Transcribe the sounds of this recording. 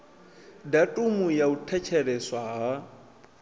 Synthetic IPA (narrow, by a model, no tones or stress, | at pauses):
datʼumujautʰɛt͡ʃʰɛɾɛswaɦa